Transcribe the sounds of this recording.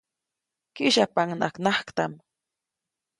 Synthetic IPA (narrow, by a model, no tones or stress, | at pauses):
kɪʃapaŋna̰knaχkt̪am